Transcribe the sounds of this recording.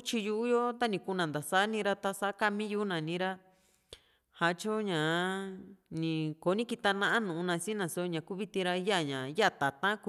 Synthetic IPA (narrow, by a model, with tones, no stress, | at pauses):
u˦t͡ʃi˧ju˧ʔu˦jo˦t̪a˦nĩ˧ku˧nã˨nd̪a˨sa˦nĩ˧˦ɾa˧t̪a˧sa˧˦ka˧mĩ˦ju˧˦nã˨nĩ˦ɾa˧ | ha˧t͡ʃo˦ɲã˨ | nĩ˨ko˨˦nĩ˦ki˧t̪a˧nã˧ã˦nũ˨ũ˧nã˧sĩ˦nã˨so˧˦ɲã˨ku˦βi˧t̪ĩ˧ɾa˧˦ja˦˨ɲã˨ja˦˨t̪a˨t̪ã˦ku˧